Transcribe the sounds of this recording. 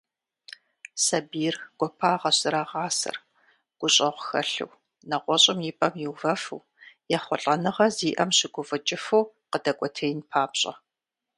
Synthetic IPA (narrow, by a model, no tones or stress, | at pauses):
sɐbiːrɡ̥ʷɔpʰaːʁɐɕɨɾaʁɑːsɐ̰r | ɡ̥ʷʊɕʼɐʁʷʊxɐ̰ɬɨ̰w | nɐqʷɔɕʼɪmjipʼɐmjiwvɐfɨ̰w | jɛχʷɔɬʼɐnɨʁɐziːʔɐmɕɪɡʷʊvɨt͡ʃʼɪfɨw | qədɐkʷʼɔtʰeːjnpʰaːpɕʼɐ̰